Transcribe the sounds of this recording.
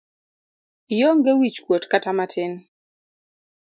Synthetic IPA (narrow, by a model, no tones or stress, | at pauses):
joŋɡewit͡ʃkwotkatamatʰɪn